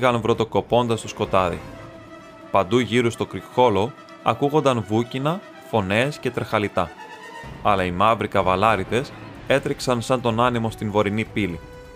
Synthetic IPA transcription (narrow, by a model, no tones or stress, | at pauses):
ɣɐnvɾo̞t̪o̞ko̞po̞nd̪ɐst̪osko̞t̪ɐðḭ | pɐnd̪uʝiɾust̪o̞kɾixo̞lo̞ | ɐkuɣo̞nd̪ɐnvucinɐ | fo̞ne̞sce̞t̪ɾexɐlit̪ɐ | ɐlɐimɐvɾikɐvɐlɐɾiðe̞s | e̞t̪ɾiksɐnsɐnt̪o̞nɐnimo̞st̪invo̞ɾinipili